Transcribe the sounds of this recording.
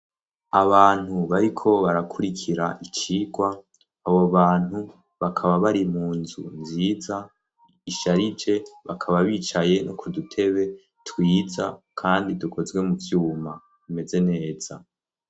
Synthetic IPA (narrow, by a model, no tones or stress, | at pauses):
aβaːn̥huβaɾikʰo̞βaɾakʰuɾikʰiɾaʔit͡ʃiːɡwaː | βoβaːn̥hu | βakʰaβaβaɾimuːnzṵnziːza | iʃaɾid͡ʒe̞βakʰaβaβiːt͡ʃaje̞nʔo̰kʰudutʰe̞βe̞ | twiːza̰kʰaːndidukʰo̞zɡwe̞muvjuːma | βime̞ze̞ne̞ːz̥a